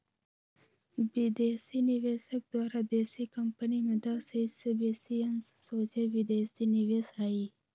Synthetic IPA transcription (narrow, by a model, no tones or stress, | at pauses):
bid̪eːsinɪʋeːsək̚d̪waːɾad̪eːsikəmpənimed̪asesebeːsiɐnsːoːt͡ʃeʋid̪eːsinɪʋeːsaːiː